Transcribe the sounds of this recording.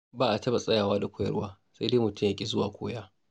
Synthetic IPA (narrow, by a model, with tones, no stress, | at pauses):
baː˦ʔa˨tɐ˦ba˨sʼɐ˦jaː˨waː˦da˨kʷʰoː˦jɐ̰˦rwaː˦ | sa˦jdeː˦mʊ˨tʰʊ˦mjɐ˦kʲʼe˨zʊ˦waː˨kʷoː˦jaː˦